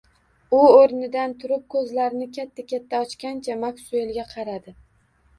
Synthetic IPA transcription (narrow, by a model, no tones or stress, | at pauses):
ʊoɾnɪd̪ant̪ʰʊɾɪp̚kʰɵzlaɾɪnɪkʲat̪ʰːakʲʰat̪ʰːaɒt͡ʃkʲant͡ʃʰamaksʊe̞lɡʲaqʰɑɾad̪ɪ